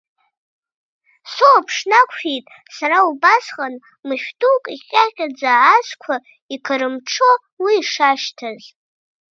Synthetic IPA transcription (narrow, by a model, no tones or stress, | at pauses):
soapʰʂnakʷʰχʲejtʼ | saɾaubasχʼan | mɨʃᶣtʼukʼiχʲʼaχʲʼad͡zaːskʷʰa | ikʰəɾɨmʈ͡ʂʰo | wiːʂaʃtʰaz